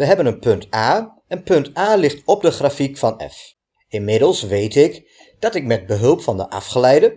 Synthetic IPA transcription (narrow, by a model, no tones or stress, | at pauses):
ʋəɦɛbənənpɵntaː | ənpɵntaːlɪχtɔb̚dəχrafikfɑnɛ̰f | ɪnmɪdəlˠsʋejtɪk | d̥ɑtɪk̚mɛd̚bəɦɵlˠpfɑndə̰ʔɑ̰fχəlɛjdə